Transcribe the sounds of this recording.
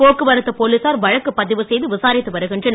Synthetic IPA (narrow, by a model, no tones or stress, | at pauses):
oːkːɯʋɐɾɯt̪ːɐpoːlisaːɾʋɐɻɐkːɯpːɐðɪʋɯsɛjðɯʋɪsaːɾɪt̪ːɯʋɐɾɯɣɪndrɯn